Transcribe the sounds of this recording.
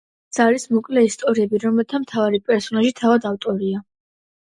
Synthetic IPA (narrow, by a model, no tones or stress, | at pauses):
t̪saɾismɔkʼlɛist̪ʼɔɾiɛbiɾɔmɛlt̪ʰamt̪ʰavaɾipʼɛɾsɔnaʒit̪ʰavad̪aft̪ʼɔɾia